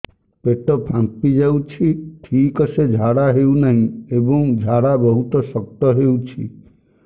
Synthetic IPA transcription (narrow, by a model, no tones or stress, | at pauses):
peʈɔpʰãmpid͡ʒawt͡ʃʰiʈʰikɔsed͡ʒʱaɽaɦewnaɦĩebɔŋd͡ʒʱaɽabɔɦut̪ɔsɔk̚t̪ɔɦewt͡ʃʰi